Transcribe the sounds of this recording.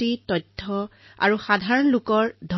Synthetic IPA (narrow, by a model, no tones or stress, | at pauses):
itɔjtʰːɔ | a̰ɹuxadʱaɹɔnlukɔɹdʱɔ